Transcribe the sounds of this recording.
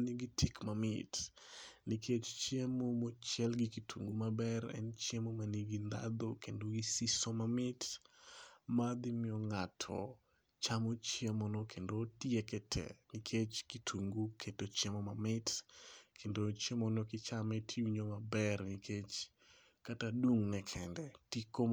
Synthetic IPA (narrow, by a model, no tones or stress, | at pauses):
niɡitʰikmamɪt | nikʰet͡ʃt͡ʃjemomɔt͡ʃjɛlɡikitʰuŋɡumabɛrɛ̰nt͡ʃemomaniɡind̪a̰d̪okendoɡisisomamɪt | mad̪ɪmɪɔŋatʰɔ̰ | t͡ʃamot͡ʃemɔnokʰendotiekɛtʰɛ̰nikʰet͡ʃkitʰuŋɡukʰetot͡ʃemomamɪtkʰendot͡ʃemɔnɔkɪt͡ʃamɛtʰiwiɲomabɛrnikʰet͡ʃ | kataduŋnɛkʰɛndɛtiko